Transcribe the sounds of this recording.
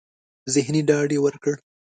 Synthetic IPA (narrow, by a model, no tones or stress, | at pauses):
zɪɦniɖɑɖewəɾkəɽ